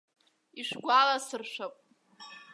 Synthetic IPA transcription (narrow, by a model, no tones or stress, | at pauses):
iʂɡʷalasɨrʂʷᶣapʼ